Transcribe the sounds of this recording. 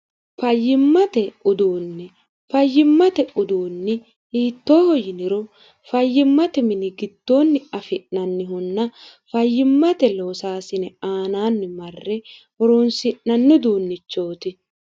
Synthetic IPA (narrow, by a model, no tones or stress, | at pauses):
fɐjːɪmːɐt̪ɛʊd̪uːnːɪ | fɐjːɪmːɐt̪ɛʊd̪uːnːɪ | iːt̪ːoːhɔjɪnɪɾɔ | fɐjːɪmːɐt̪ɛmɪnɪɡɪd̪̥ːoːnːɪɐfɪʔnɐnːɪɦʊnːɐfɐjːɪmːɐt̪ɛloːsaːsɪnɛaːnaːnːɪmɐrːɛwɔɾoːnsɪʔnɐnːʊd̪uːnːɪt͡ʃːo̞ːt̪ɪ